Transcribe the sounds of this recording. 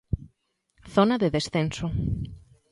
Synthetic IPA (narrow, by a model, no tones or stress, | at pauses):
θonaðeðesθenso